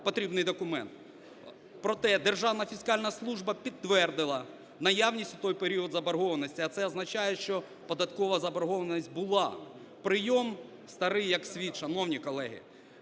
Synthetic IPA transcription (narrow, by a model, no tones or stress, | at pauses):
pɔt̪ɾʲibnɪjd̪ɔkʊmɛ̰nt̪ | pɾɔt̪ɛd̪erʒɑwnɐfʲiskɑlʲnɐslˠuʒbɐpʲid̪ːʋɛrd̪ɪlˠɐ | nɐjɑwnʲisʲtʲʊt̪ɔjpeɾʲiɔd̪zɐbɐɾɦɔʋɐnɔsʲtʲiɐt̪sɛɐznɐt͡ʃɑjɛʃt͡ʃɔ | pɔd̪ɐt̪kɔʋɐzɐbɐɾɦɔʋɐnɐsʲt̚ʲbʊlˠɑ | pɾɪjɔm | st̪ɐɾɪjɐksʲʋʲit̪ʃɐnɔwnʲikɔlˠɛɦɪ̰